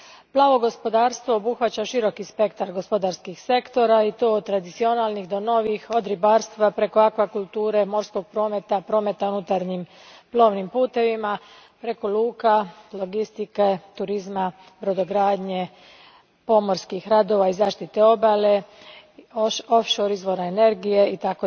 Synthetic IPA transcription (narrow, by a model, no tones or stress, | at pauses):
plˠaːʋo̞ɡo̞spo̞d̪aːɾst̪ʋo̞ːbuxʋat͡ɕaʃiɾo̞kispe̞kt̪aɾɡo̞spo̞d̪aɾskixse̞kt̪o̞ɾait̪oːod̪̚t̪ːɾad̪it̪sio̞naːlˠnixd̪o̞no̞ʋixod̪ɾibaːɾst̪ʋapɾe̞koakʋakulˠt̪uːɾe̞mo̞ɾsko̞ɡ̚pɾo̞ːme̞t̪apɾo̞ːme̞t̪aunut̪aɾɲim | plˠo̞ːʋnimpuːt̪e̞ʋima | pɾe̞ko̞luːkalˠo̞ɡist̪iket̪uɾizma | bɾo̞d̪o̞ɡɾaːd̪ɲe̞ | po̞mo̞ɾskixɾad̪o̞ʋaizaːʃt̪it̪e̞o̞bale | ofʃoɾizʋo̞ɾaene̞ɾɡije̞it̪ako